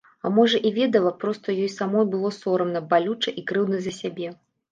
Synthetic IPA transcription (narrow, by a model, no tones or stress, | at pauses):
a̰mɔʐɐʔivʲɛd̪ɐlˠɐpɾɔst̪ɐjɔjsamɔjbɨlˠɔsɔɾɐmnɐbalʲut͡ʂɐʔikɾɨwdnɐzɐsʲabʲɛ